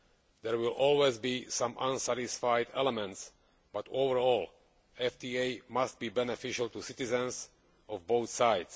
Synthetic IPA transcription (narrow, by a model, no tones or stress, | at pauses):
d̪ɛɹwɪlʔɔlwezbisãmʔãnsæɾɪsfaɪdɛlɛmɛ̃nts | b̥atovəɹɔːlˠ | ɛfdieɪmast̪̚biːbɛnɛfɪʃəlˠt̪usɪtɪzɛ̃ns | ʔɔvboʊθsaɪds